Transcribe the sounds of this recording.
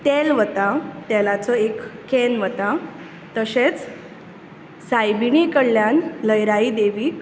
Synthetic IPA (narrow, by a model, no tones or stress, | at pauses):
t̪elʋət̪at̪ɛlat͡sɔekkːenʋət̪a | t̪əɕet͡s | sajbiɳikəɽljanləjɾaid̪eʋiː